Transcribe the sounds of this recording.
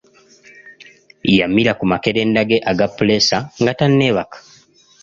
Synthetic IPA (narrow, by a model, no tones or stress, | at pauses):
jamːiɾakumake̞ɾe̞ːndaɡeʔaɡapːulesaŋɡatanːeβakḁ